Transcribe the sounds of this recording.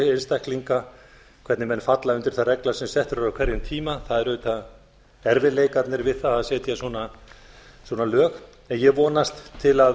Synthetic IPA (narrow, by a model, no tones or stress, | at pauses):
ejnst̪ajhkliŋka | kʰvɛɾt̪nɪmɛnːfat̪laʏnt̪ɪɾ̥θarɛklasɛmsɛht̪ʏɾɾakʰvɛɾjʏmt̪ʰiːmaθaðɛɾʏːt̪a | ɛɾvɪleːjkaɾt̪nɪɾvɪðθaðasjɛːt̪jɛsɔna | swɔnalœːx | ɛnjɛɣvɔːnast̪ʰːɪla